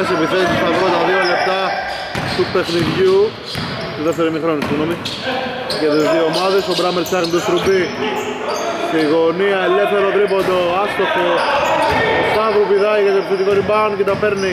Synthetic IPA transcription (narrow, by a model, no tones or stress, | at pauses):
sepiθet̪ːt̪isɐðɾot̪ɐðiolept̪ɐ | t̪ut̪exniðʝu | t̪uðef̬eɾimixɾonist̪iɣnomi | cet̪izðiomɐðesobɾɐmelt͡sɐɣnit̪ost̪ɾubi | t̪eiɣoniɐelːefθeɾot̪ɾipod̪oɐst̪ofo | osɐvɾupiðɐjkɐt̪opsit̪ikoɾibɐnket̪ɐpeɾni